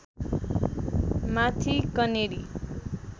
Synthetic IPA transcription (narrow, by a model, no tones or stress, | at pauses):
mat̪ʰikʌneɽi